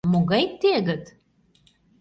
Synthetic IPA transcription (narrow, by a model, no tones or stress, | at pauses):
moɣɑjt̪ːeɣə̆t̪